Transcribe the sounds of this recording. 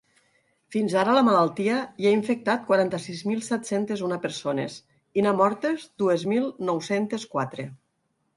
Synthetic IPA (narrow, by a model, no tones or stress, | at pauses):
finzaɾələmalalˠt̪iəiaiɱfek̚t̪at̪̚kwaɾant̪əsizmilˠsɛt̪sent̪ezunapeɾsonḛs | inamɔɾt̪ezd̪uezmilˠnɔwsent̪eskwat̪ɾe